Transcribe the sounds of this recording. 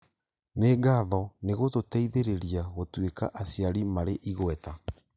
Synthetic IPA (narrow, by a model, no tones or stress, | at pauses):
neɡaːðɔneɣototɛiðeɾeɾiaɣotweka̰ʔasiaɾimaɾeʔiɣwɛta